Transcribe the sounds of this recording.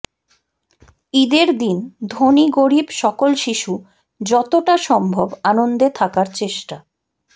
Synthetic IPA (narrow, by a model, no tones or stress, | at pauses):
id̪eɾd̪ind̪ʱoniɡoɾibʃɔkolʃiʃu | d͡ʑɔt̪oʈaʃɔmbʱobanond̪et̪ʰakaɾt͡ɕeʃʈa